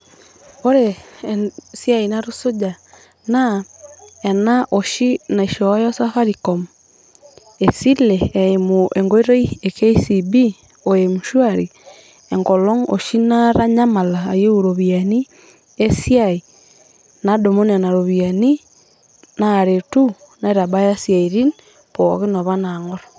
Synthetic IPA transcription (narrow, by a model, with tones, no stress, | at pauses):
o˦ɾe | siainaɾoso˦d͡ʒa | na | ɛnaʔoʃi˦na˨iʃɔa˦jɔ˦sa˦fa˦ɾikɔm | esi˦leːmoeŋɡoe˦ɾo˦ieke˦isibi | ojemuʃwaɾi˨ | e˨ŋɡo˨lo˦ŋo̰ʃi˦naɾa˦ɲa˦ma˨laː˨je˦u˨ɾoβiani˦ | e˦si˦ai˨ | na˦do˨mo˦ni˨a˨na˨ɾo˨βiani˦ | naɾetu˦na˦iɾa˨ba˦ja˦sia˨iɾi˦n | po̰ɣi˦no˨βa˦na˨ŋɔ˦ɾo